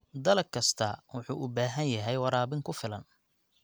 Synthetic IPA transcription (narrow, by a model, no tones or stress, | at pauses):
d̪ɐlɐkʰɐst̪ʰɐwʊħuːʔʊbaːɦɐnjɐɦɛjwɑɾaːβɪŋkʰʊfɪlɐn